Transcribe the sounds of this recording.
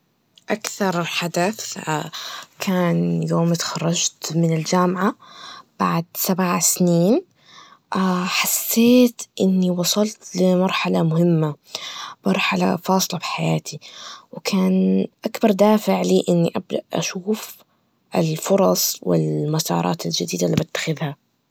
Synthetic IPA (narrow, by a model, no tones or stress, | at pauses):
ʔakθɑɾˤħad̪aθakʰaːnjoːmɪt̪xɑrˤːɑd͡ʒt̪mɪnɪld͡ʒaːmʕab̥aʕd̪sabʕasniːn | ʔaħasːeːt̪ʔɪnːiwɑsˤɑlt̪lɪmɑɾˤħalamʊhɪmːamɑɾˤħala̰fɑːsˤlɑfi̥ħajaːt̪ʰiwkʰaːnʔakbɑɾˤd̪aːfɪʕliːʔɪnːiʔab̚d̪a̰ʔʔa̰ʃuːf | ʔɪlfʊɾˤɑsˤwɪ̰lmasɑ̰ːɾˤɑ̰ːt̪ɪld͡ʒad̪iːd̪alːibɪt̪ːḁxɪðha